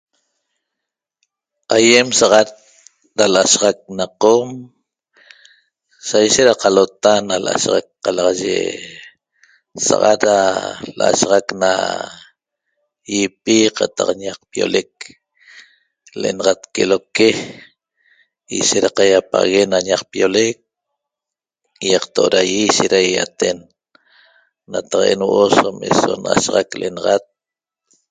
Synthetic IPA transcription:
ajemsaʁat̪̚ | ɾalaʔaʃʁak̚naqom | sajʃet̪ɾaqalot̪analʔa̰ʃʁa̰k̚qɑlɑʁɑʒḛ | sa̰ʁɑ̰t̪ɾalʔa̰ʃʁakna̰ | jipiqat̪aqɲaq̚pjo̰lek̚ | leʔḛnɑʁat̪keloke | iʃeɾaqajapa̰ɣenaɲaqpijolek̚ | jɑqt̪oʔoɾajiʃeɾajat̪en | at̪aqʔenwʔosomḛso̰na̰ʃʁakleʔenɑʁat̪̚

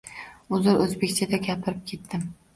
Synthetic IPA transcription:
ʊzɪɾɵzbekʲt͡ʃʰad̪aɡʲapʰɪɾɪp̚kʲʰe̞t̪ːɪm

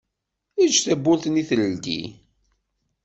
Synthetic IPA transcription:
id͡ʒθæbːʊɾθniθləlɡḭ

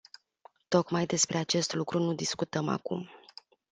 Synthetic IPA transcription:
t̪o̞kmajd̪e̞spɾe̞at͡ʃe̞st̪lukɾunud̪iskut̪əma̰kṵm

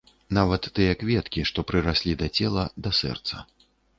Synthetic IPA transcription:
navɐt̪ːɨjɐkvʲɛt̪kʲiʂt̪ɔpɾɨɾasʲlʲid̪ɐt͡sʲɛlˠɐd̪ɐsɛ̰rt̪sɐ̰

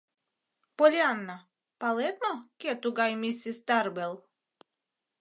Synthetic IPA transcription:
polʲjanːa | palet̪nokʲet̪uɡajmisʲist̪aɾbelˠ

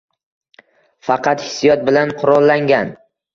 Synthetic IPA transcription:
fɑqɑt̪hɪ̥sijɒt̪̚bɪlanqʰʊɾɒlˠːaŋɡʲan

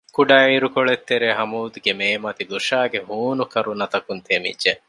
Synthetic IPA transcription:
kuɖaːiɾukoɭet̪ːeɾeɦɐmuːd̪uɡemeːmɐt̪iluʃaːɡeɦuːnukɐɾunɐt̪ɐkunt̪ʰeːmḭdd͡ʒe

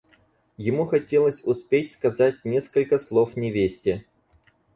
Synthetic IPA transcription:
jɪmuxɐtʲelˠəsʲʊspʲetʲskɐzat̚ʲnʲe̞skəlʲkəslˠofnʲɪvʲesʲtʲɪə

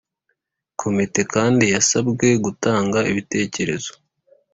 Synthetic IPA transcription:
kʰo̞mite̞kaːndijasabɡe̞ɡutaːŋɡaiβite̞ːce̞ɾe̞̰z̥o̞̥

